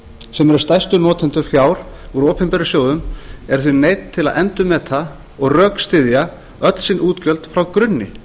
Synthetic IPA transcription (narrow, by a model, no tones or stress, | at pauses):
sɛmɛɾʏst̪ajst̪ʏnɔːt̪ʰɛnt̪ʏfjaːwɾ̥uɾoːpʰɛmpɛɾʏsjoːwðʏmɛɾ̥θvʏnejt̪t̪ʰːɪlaðʔɛnt̪ʏmːɛːt̪θʰa | ɔɣrœːkst̪ɪðja | œt̪l̥sɪnʔuːt̪cœlt̪fɾawkɾʏnːɪ